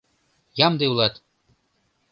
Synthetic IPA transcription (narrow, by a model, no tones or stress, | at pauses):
jɑmd̪eulˠɑt̪